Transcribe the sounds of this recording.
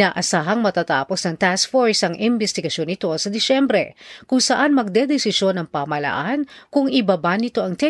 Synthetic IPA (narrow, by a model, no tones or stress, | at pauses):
naːʔɐsaːɦɐŋmɐt̪aːt̪a̰ːpo̞snɐŋt̪askfoɹsɐŋʔɪmbɛst̪ɪɡɐʃjo̞nːɪt̪o̞sɐd̪ɪsɛmbɾɛ̰kʊŋsɐʔanmɐɡ̚d̪ɛd̪ɛsɪʃo̞nɐŋpamɐlɐ̰ʔankʊŋɪbabanɪt̪o̞ʔɐŋt̪ɛ